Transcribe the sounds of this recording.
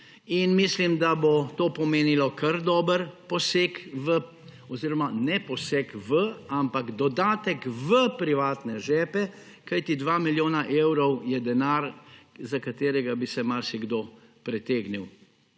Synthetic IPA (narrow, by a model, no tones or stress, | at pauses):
inmislimd̪abot̪oːpɔmeːnilɔkəɾd̪ɔːbəɾpɔseːkʋə | ɔziɾɔmanɛpɔsekʋəampaɡd̪ɔd̪aːt̪ɛkʋəpɾiʋaːt̪nɛʒɛːpɛ | kajt̪id̪ʋaːmiljoːnaʔeːwɾɔwjɛd̪ɛnaɾzakat̪eːɾɛɡabisɛmaɾsiɡd̪oː | pɾɛt̪eːɡniw